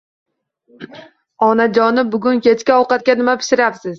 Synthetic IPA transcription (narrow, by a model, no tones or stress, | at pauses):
ɒnad͡ʒɒnɪbʊɡʲʊnkʲe̞t͡ʃkʲaɒwqɑt̪̚kʲanɪmapʰɪ̥ʃɪɾapsɪz